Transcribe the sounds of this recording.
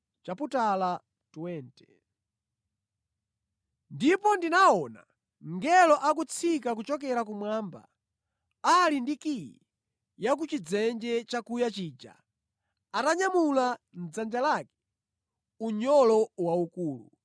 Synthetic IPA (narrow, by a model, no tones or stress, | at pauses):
t͡ʃaputala | tuwɛːntɛ̥ | ndipɔndinaɔna̰ | ŋɡɛlɔʔak̬ut͡sʰikak̬ut͡ʃɔk̬ɛɾak̬umwaːmba̰ | alindikijḭ | jak̬ut͡ʃid͡zɛnd͡ʒɛt͡ʃakujat͡ʃiːd͡ʒa̰ | ataɲamulan̩d͡zand͡ʒalaːkɛ̥ | uɲɔlɔwaukuːlṵ